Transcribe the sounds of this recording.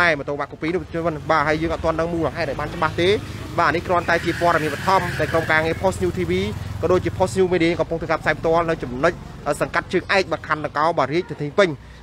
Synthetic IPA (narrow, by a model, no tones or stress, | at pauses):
aɛmət̪oːmaːʔkupiːnupt͡ɕʰnmɨnɓaːɦəəjəːŋɑt̪̚t̪ŏənɗəŋmuːləɦaɛt̪̚ʔaɔjɓaːnt͡ɕəɓaht̪eː | ɓaːnihkrŏənt̪aɛt͡ɕiəpoəɾɑmiənɓɔət̪ʰɑmɗaɔjkromkaːŋiəpʰosʰɲuːt̪ʰiːʋiːkɑːɗoːc̚t͡ɕiəpʰohsɲuːmiːɗiːkɑmpuŋt̪ʰɨːkaːpʰsaːjpʰt̪ŏəlnɨwt͡ɕumnɨc̚ʔəːsɑŋkat̪̚t͡ɕəːŋʔaɛk̚ɓaːkʰanɗɑŋkɑɔɓɑːriəc̚t̪ʰit̪ʰiːpɨɲ